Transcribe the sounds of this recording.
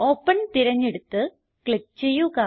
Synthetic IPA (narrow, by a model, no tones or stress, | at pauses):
o̞ːpːɐnt̪iɾɐɲːeɽut̪ːɨ | kɭip̚t͡ɕejːukaː